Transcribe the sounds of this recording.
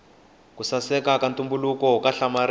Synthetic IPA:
kusasɛkakantʼumbulukɔkaɬamaɾ

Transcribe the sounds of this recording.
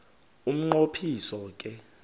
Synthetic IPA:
um̩ŋ͡ǃopʰisɔk̬ʼɛ

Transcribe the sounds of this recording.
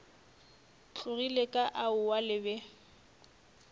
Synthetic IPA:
t͡ɬʰʊɣilekʼaʔaʊwalɪbɛ

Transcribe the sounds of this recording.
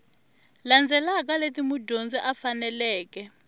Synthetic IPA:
land͡zʱɛlak̬aletimudʱond͡ziʔafanɛlɛːkɛ

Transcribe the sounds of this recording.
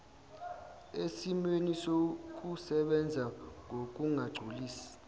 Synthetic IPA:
esimwenisok̬ʼusɛɓɛnd͡zʱaŋʱok̬ʼuŋʱaɡ͡ǀʱuliːsi̥

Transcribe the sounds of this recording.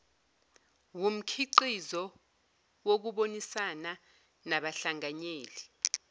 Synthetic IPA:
wum̩kʰiǀizɔ | wok̬uɓonisana | naɓaɬaŋaɲeːli

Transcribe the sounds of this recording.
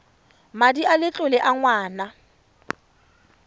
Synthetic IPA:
madialɪt͡ɬʼʊlɪʔaŋwaːna

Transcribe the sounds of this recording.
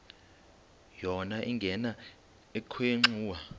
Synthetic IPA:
jɔnaʔiŋɡʱɛna | ekʰɔeŋ͡ǁuːwa

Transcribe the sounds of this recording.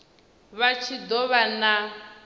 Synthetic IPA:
βat͡ʃʰid̪ɔβana

